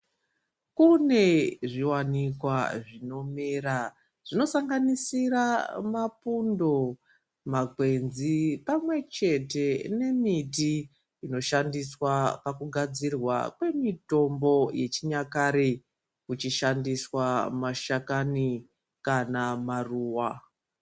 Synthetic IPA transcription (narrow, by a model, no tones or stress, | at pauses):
kune̞ʐiwanikwaʐino̞meɾa | ʐ̥ino̞saŋɡanisiɾamapundo̞ | makwe̞nzipamwe̞t͡ʃe̞te̞ne̞miti | ino̞ʃandiswapakuɡʱad͡zirwa̰kwe̞mito̞mbo̞je̞t͡ʃiɲakaɾe | ut͡ʃiʃandiswamaʃakani | kanamaruːwa